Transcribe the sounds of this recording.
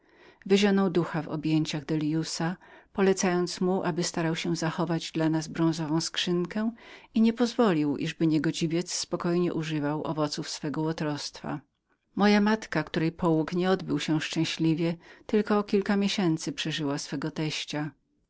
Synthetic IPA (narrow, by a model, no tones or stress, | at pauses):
vɘʑɔnɔwd̪uxavɔ̰bʲjeɲt͡ɕaɣd̪ɛljusapɔlɛt̪sajɔnt̪smuʔabɘst̪aɾawɕɛ̃zaxɔvad͡ʑd̪lanazbɾɔ̃w̃zɔvɔ̃w̃skʂɘŋkɛw̃iɲɛpɔzvɔlʲiwʔḭʐbɘɲɛɡɔd͡ʑivʲjɛt̪sspɔkɔjɲɛ̰ʔuʐɘvawʔɔ̰vɔt̪sufsfɛɡɔwɔt̪ɾɔst̪fa̰ | mɔjamat̪kakt̪uɾɛjpɔwukɲɛɔd̪bɘwɕɛ̃ʂt͡ʂɛ̃w̃ɕlʲivʲjɛt̪ɘlkɔːkʲilkamʲjɛɕɛnt̪sɘpʂɛʐɘwasfɛɡɔt̪ɛɕt͡ɕa